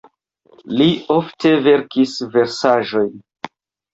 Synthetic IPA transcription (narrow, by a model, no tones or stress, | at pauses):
lio̞fte̞ve̞ɾkisve̞ɾsaʒo̞jn